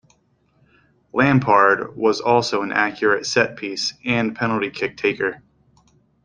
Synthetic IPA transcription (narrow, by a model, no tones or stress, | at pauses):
læ̃mpʰɑɹd̚wʌzɔlˠsoʊə̃nʔækʰjə˞ɨtsɛt̚pʰisɨ̃npʰɛnl̩ˠtikʰɪk̚tʰeɪkə˞